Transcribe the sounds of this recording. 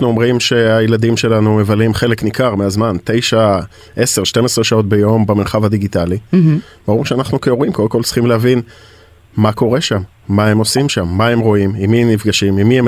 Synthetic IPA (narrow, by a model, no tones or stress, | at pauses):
nuo̞mʁimʃe̞ajelad̪imʃe̞lanume̞valimχe̞le̞knikaʁmeazmant̪e̞jʃa | ʔe̞se̞ʁʃte̞mesʁeʃao̞t̪̬̚be̞jo̞mbameʁχavad̪iɡit̪ali | baʁimʃeanaχnukeoʁimkodemkoltt͡sʁ̥i̥χimleɦavin | mako̞ʁe̞ʃamː | ae̞mo̞simʃamːae̞mʁo̞imimiemnifɡaʃimimiem